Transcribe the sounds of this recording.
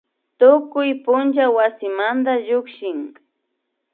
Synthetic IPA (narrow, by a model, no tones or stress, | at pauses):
t̪ʊkʊjpʊnt͡ʃawasɪmand̪aʎʊkʃɪŋ